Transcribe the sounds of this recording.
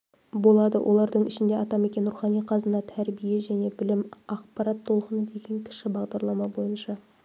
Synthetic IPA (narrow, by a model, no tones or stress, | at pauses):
bo̞lˠɑd̪əwʔo̞̰lˠɑɾd̪əɴɪʃɪnd̪e̞ɑt̪ɑme̞kʲenɾuχɑnijqʰɑzənɑt̪ʰæɾbije̞ʒæne̞bɪlɪmɑqpɑɾɑt̪ʰːo̞lˠqənəd̪e̞ɡʲe̞ŋkʲʰɪ̥ʃɪbɑʁd̪ɑɾlˠɑmɑbo̞jənʃɑ